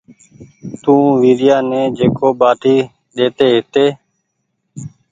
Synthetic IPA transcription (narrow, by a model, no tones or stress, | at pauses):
t̪ũːʋiːɗɪjaːnẽːd͡ʒeːkoːɓaːʈʰiː | ɗeːt̪eːɦɪt̪eː